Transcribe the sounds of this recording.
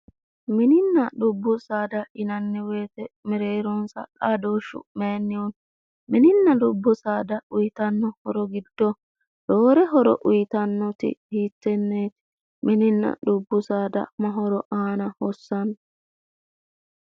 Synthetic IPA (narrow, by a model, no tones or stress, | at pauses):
mɪnɪnːɐɗʊbːʊsaːd̪ɐɪnɐnːɛwe̞ːt̪ɛmɛɾeːɾɔnsɐ̰kaːd̪oːʃːʊ̰meːnːɪwɔn | mɪnɪnːɐdʊbːɔsaːd̪ɐʊjt̪ɐnːɔhɔɾɔɡɪd̪ːɔ | doːɾɛɦɔɾɔ̰ʔʊjt̪ɐnːɔt̪ɪ̰hiːtːɛnːeːt̪ɪ̥ | mʔɪnɪnːɐ̰ɗʊbːʊsaːd̪ɐ̰mɐɦɔɾɔʔaːnɐhɔsːɐn